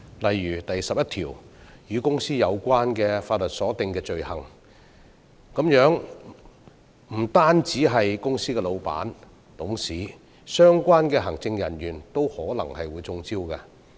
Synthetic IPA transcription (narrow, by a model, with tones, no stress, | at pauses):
lɐ˨jɥyː˨˩t̪ɐ˨jsɐ˨p̚jɐ˥t̪ʰiː˨˩wjyː˨˧kʊ˥ŋsiː˥jɐ˨˧wkʷaː˥nkɛː˧faː˧t̚lɵ˨t̚sɔː˨˥t̪ɪ˨˧ŋkɛː˧t͡ʃɵ˨ɥhɐ˨˩ŋ | kɐ˨˥mjœː˨˥ŋ | m̩˨˩t̪aː˥nt͡siː˨˥ɦɐ˨jkʊ˥ŋsiː˥kɛː˧lo˨˧wpa̰ː˨˥n | t̪ʊ˨˥ŋsiː˨˥ | sœː˥ŋkʷaː˥nkɛː˧ɦɐ˨˩ŋt͡sɪ˧ŋjɐ̰˨˩njyː˨˩nt̪o˥whɔː˨˥lɐ̰˨˩ŋhɐ˨jwuː˨˧jt͡sʊ˧ŋt͡siː˥wka˧